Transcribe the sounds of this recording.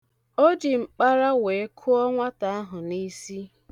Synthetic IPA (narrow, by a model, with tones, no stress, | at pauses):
o˦d͡ʒi˨ŋ͡m̩˨k͡pa˦ɾa˦we˨e˦kʰu˦ɔ˦ŋʷa˦ta˨a˦ɦʊ˨ni˦si˦